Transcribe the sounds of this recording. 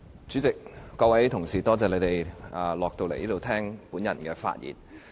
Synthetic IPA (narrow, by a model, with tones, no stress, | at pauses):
t͡sy˨˥t͡sɪ˨k̚ːɔː˧wɐ˨˦jt̪ʰʊ˨˩ŋsiː˨˩t̪ɔː˥t͡sɛː˨ne˧˥t̪e˨˩jaː˨˧lɔː˨k̚t̪o˧wle˨˩jliː˥t̪wt̪ʰɛː˥ŋpuː˨˥njɐ̰˨˩nkɛː˧fa̰ː˧t̚jḭː˨˩n